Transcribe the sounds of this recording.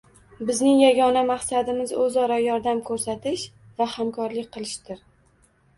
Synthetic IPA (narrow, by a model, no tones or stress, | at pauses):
bɪznɪŋjaɡʲɒnamaχsad̪ɪmɪzɵzɒɾajɒɾd̪amkʰɵɾsat̪ʰɪʃ | vahamkʰɒɾlɪk̚ʲqʰɨlˠɪʃd̪ɪɾ